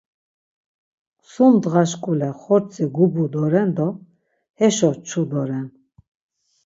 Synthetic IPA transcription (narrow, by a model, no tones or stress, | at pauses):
sumd̪ʁaʃkʼulɛχɔɾt͡sʰʼiɡubud̪ɔɾɛnd̪ɔ | hɛʃɔt͡ʃʰud̪ɔɾɛn